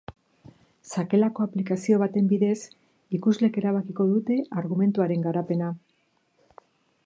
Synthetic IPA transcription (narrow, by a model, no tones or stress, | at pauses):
sake̞lako̞aplikasio̞βat̪e̞mbiðe̞s | ikuzle̞ke̞ɾaβ̞akiko̞ðut̪e̞ʔaɾɣume̞nt̪uaɾe̞ŋɡaɾape̞na